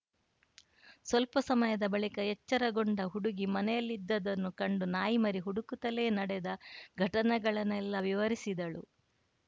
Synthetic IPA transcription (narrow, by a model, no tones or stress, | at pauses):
sʋɐlpɐsɐmɐjɐd̪ɐbɐɭikɐjɛt͡ʃːɐɾɐɡoɳɖɐɦuɽuɡimɐnɛjɐlːid̪ːɐd̪ɐnːukɐɳɖunaːjimɐɾiɦuɽukut̪ɐle̞ːnɐɽɛd̪ɐɡʱɐʈɐnɛɡɐɭɐnɛlːɐʋiʋɐɾisid̪ɐɭṵ